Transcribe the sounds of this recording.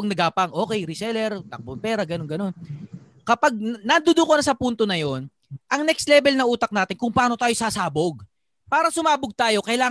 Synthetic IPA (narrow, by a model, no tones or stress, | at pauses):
ŋnɐɡaːpaŋʔo̞ːkɛjɾɪsɛlɛɾt̪ɐk̚bonpɛːɾɐɡɐno̞nɡɐno̞n | kɐpaɡ̚nɐd̪ʊd̪okonɐsɐpunt̪o̞nɐjo̞n | ʔɐŋnɛkst̪lɛːbɛlnɐʔuːt̪ɐk̚naːt̪ɪnkʊŋpɐʔaːnot̪aːjo̞saːsaːboɡ̚ | paːɾɐsʊmaːbʊɡ̚t̪aːjo̞kɐjlaː